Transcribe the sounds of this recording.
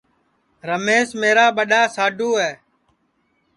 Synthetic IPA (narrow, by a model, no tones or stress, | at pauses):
ɾəmeːsmeːɾaːɓəɗaːsaːɖʱoːɦɛː